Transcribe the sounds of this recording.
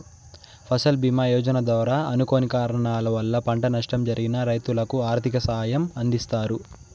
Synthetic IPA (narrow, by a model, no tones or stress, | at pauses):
pʰɐsɐlbimaːjɔːd͡ʒɐnɐd̪ʋɐːɾaːɐnukoːnikaːɾɐɳaːlɐʋɐlːɐpɐɳʈɐnɐʂʈɐmd͡ʒɐɾʔiɡinɐɾɐjt̪ulɐkuaːɾt̪ʰikɐsɐɦajɐmɐnd̪ist̪aːɾu